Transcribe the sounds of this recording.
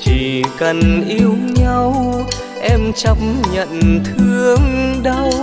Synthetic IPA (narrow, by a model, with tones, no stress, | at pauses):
t͡ɕi˨˩kə˨˩nʔi˧əwɲa˧w | ʔɛ˧mt͡ɕə˧m̚ɲə̰˧˨nt̪ʰɨ˧əŋɗə˧w